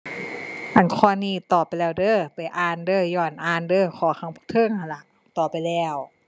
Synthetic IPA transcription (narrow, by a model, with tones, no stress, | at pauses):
ʔa˨˩nkʰɔː˧˨niː˧˩t̪ɔː˧˨˩pːa˨jlɛː˧˩wdɤː˧˥˩pa˨˩jʔaː˧˩˨ndɤː˧˩jɔː˧˩nʔaː˧˩˨ndɤː˧˩kʰɔː˧˦kʰa˧˥˦ŋpʰu˧˨t̪ʰɤː˧˨ŋha˧˩la˧˩ʔ | t̪ɔː˨˩pa˨jlɛː˧˩w